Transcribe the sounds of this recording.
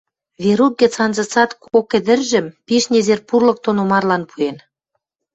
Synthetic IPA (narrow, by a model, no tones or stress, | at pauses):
βeɾut̪̚ɡĕt͡sɑnzɤ̆t͡sɑt̪kokɘ̆d̪ə̆rʒə̆mpiʃnʲezerpurlɤ̆k̚t̪onomɑrlɑnpʰuen